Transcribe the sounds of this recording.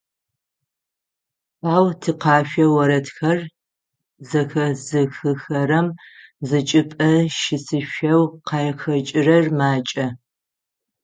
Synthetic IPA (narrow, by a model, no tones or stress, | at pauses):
aːwtʰɨqɑːʃᶣʷɐwɐɾɐtxɐr | zɐxɐzɨxɨxɐɾɐmzɨt͡ʃʼɨpʼɐʃɪsʰɨʃɐwqɑjɛxɐt͡ʃʼɪrɐrmaːt͡ʃʼɐ